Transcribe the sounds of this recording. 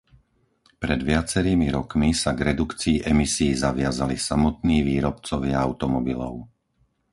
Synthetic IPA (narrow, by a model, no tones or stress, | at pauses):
pɾɛd̪ʋɪat͡sɛɾiːmiɾɔkmisaɡɾɛd̪ukt͡siːʔɛmisiːzaʋɪazalisamɔt̪niːʋiːɾɔpt͡sɔʋɪaaʊt̪ɔmɔbilɔ̰ʊ